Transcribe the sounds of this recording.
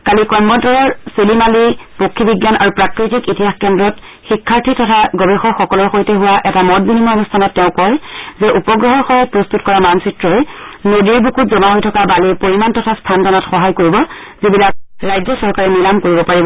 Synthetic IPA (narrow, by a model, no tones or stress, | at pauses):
kalikɔmːɔtɔɹɔselimalipokʰːibiɡjanʔa̰ɹupɹakɹitikitiɦaxkɛndɹɔt | xikʰːaɹtʰitʰɔtʰaɡɔbexɔxɔkɔlɔɹxojtɛɦuwaʔɛtamɔtbinimɔɔnustʰanɔtːɛʊ̃kɔjzɛʔupɔɡɹɔɦɔɹxɔpɹɔstutkɔɹamamsɹitɹɔenodiɹbukʰutzɔmaɦojtʰɔkabalipoɹimantɔtʰastʰanzɔnɔtxɔɦajkoɹibɔ | zibilak̚ɹajzjɔsɔɹkaɹɛnilamkoɹibɔpaɹibɔ